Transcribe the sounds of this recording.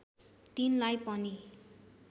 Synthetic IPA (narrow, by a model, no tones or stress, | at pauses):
t̪inlajpʌni